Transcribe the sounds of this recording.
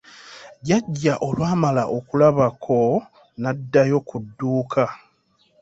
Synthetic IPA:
ɟaɟːaʔo̞lwaːmalaʔo̞kulaβakʰo̞ | nadːajo̞kudːuːkʰa

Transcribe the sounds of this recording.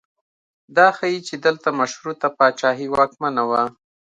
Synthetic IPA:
d̪ɑxajit͡ʃed̪əlt̪amaʃhɾut̪apɑt͡ʃɑɦiwɑkmanawa

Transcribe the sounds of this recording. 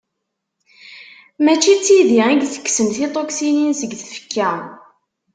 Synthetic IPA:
mæt͡ʃːit͡sːiðiæɡθə̥kːsəmθit̪ˤoksininsəɡθfə̥kːæ

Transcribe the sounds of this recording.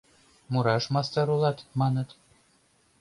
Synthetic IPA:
muɾɑʃmɑst̪ɑɾulˠɑt̪mɑnɤ̆t̪

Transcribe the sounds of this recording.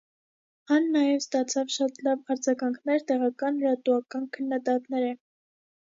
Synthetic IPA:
ɑnːɑjɛvst̪ɑt͡sʰɑvʃɑt̪lɑvɑɾd͡zɑɡɑŋkʰnɛɾt̪ɛʁɑkɑnɾɑt̪uɑkɑnkʰənːɑd̪ɑt̪nɛɾɛ

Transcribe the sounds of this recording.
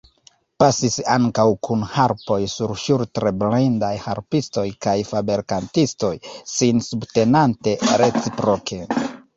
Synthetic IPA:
pasisaŋkawkunhaɾpo̞jsuɾʃuɾtɾeblindajha̰ɾpisto̞jkajfabeɾkantisto̞jsinsubte̞nante̞ɾe̞t͡sipɾo̞kʰe̞

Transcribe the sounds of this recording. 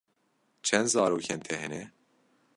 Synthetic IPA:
t͡ʃʰɛnd̪zɑːɾoːkʰɛnt̪ʰɛɦɛnɛ

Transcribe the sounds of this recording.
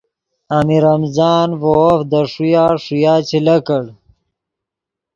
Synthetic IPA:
amiɾɐmzaːnvofd̪əʂujaːʂujaːt͡ɕʰilɐkəɽ

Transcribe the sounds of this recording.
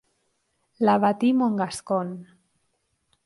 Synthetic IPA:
laβat̪imoŋɡaskon

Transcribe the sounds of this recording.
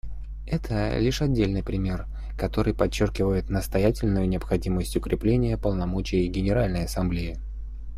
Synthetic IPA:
ɛt̪ʰə̰lʲiʂɐdʲːelʲnɨjpɾʲɪmʲe̞r | kɐt̪o̞ɾɨjpɐt͡ɕːorkʲɪvəjɪt̪nəst̪ɐjætʲɪlʲnʊjʊnʲɪɐpxɐdʲiməsʲtʲʊkɾʲɪplʲenʲɪjəpəlˠnɐmo̞t͡ɕɪjəɡʲɪnʲɪɾalʲnəjɐsɐmblʲeɪ

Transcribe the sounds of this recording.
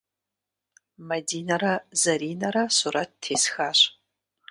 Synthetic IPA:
mɐdiːnɐɾɐzɐɾiːnɐɾɐsuɾɐttʰːeːsxaːɕ

